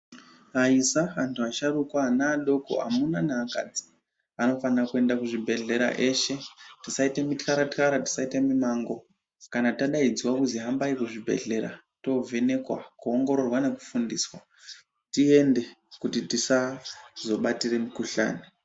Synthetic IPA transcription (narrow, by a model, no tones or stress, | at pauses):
aisaɦantʰuaʃaɾukwaːnaːɗo̞ko̰a̰munanaːka̰d͡zi̥ | ano̞fanirakue̞ndakuʐibʱe̞ɮe̞ɾa̰ʔe̞ʃe̞tisaitemitkaɾatkaɾati̥saitemimaːŋɡo̞ | kanataɗaid͡ziwakuziɦambaikuʐibʱe̞̰ɮe̞ɾa̰ | to̞vʱe̞ne̞kwa̰kuoŋɡo̞ɾo̞rwane̞ku̥fundiːswa | tie̞nde̞kutitisazo̞ɓatire̞mukuɬa̰ːni